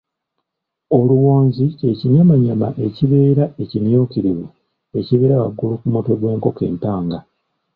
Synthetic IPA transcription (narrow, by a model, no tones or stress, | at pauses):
o̞luwo̞ːnzieciɲjamaɲama̰ʔe̞ciβeːɾae̞cinjo̞ːkiɾiβu | e̞ciβeːɾawa̰ɡːulukumuto̞ɡwe̞ːŋko̞ke̞̰ːmpaːŋɡa